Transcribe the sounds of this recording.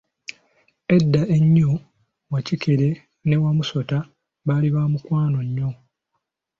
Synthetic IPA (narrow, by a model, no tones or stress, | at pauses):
e̞dːaeɲːo | wacike̞ɾe̞ | ne̞wamuso̞ta | βaliβamukwaːno̞ɲːo